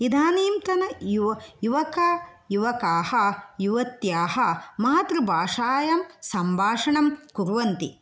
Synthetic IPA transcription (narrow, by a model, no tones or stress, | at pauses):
id̪ʱaːniːmt̪ɐnɐjuʋɐjuʋɐkɐjuʋɐkaːhɐjuʋɐt̪jaːhɐmaːɐt̪ɾɐbʱaːʂaːjɐmsɐmbʱaːʂɐɳɐmkuɾʋɐnt̪ḭ